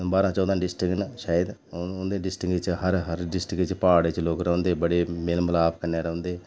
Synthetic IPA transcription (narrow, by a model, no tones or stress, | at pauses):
baːɾãːt͡ʃɔːd̪ãːɖɪsʈɪknʃaːəd̪nd̪eːɖɪsʈɪkt͡ʃɦəɾɦəɾɖɪsʈɪkt͡ʃpaːɽet͡ʃloːkɾõːnd̪eːbəɽeːmɪlmlaːpkəɾneːɾəõnd̪eː